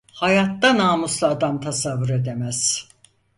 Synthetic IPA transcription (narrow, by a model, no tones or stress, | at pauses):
hajat̪ːanaːmuslˠaːd̪amt̪ʰasavːuɾe̞d̪e̞mæz̥